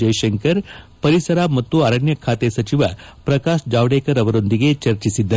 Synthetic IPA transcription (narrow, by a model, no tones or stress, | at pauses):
d͡ʒɐjʃɐŋkɐɾ | pɐɾisɐɾamɐt̪ːuɐɾɐɳjɐkʰaːt̪esɐt͡ʃiʋɐpɾɐkaːʃd͡ʒaːʋɽeːkɐɾɐʋɐɾond̪iɡet͡ʃɐɾt͡ʃisid̪ːɐ